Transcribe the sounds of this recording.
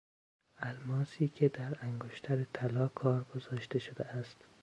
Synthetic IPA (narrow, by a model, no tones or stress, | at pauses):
ælmɒːsiːkʲʰed̪æɾæŋɡoʃt̪ʰæɾet̪ʰælɒːkʰɒːɾɡozɒːʃt̪eʃod̪eæst̪